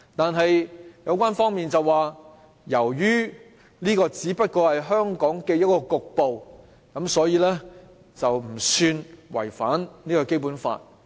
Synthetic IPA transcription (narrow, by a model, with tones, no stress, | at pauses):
t̪aː˨nɦɐ˨jjɐ˨˧˥wkʷaː˥nfɔː˥ŋmiː˨nt͡sɐ˨waː˨ | jɐ˨˩wjyː˥ | liː˥kɔː˧t͡siː˨˥pɐ˥t̚kɔː˧hɐ˨jɦœː˥ŋkɔː˨˥ŋkɛː˧jɐ˥t̚kɔː˧kʊ˨k̚po˨w | kɐ˨˥msɔː˨˥jiː˧lɛː˥ | t͡sɐ˨wm̩˨˩syː˧nwɐ̰˨˩jfa̰ː˨˥nniː˥kɔ˧ke˥jp̬uː˨˥nfa̰ː˧t̚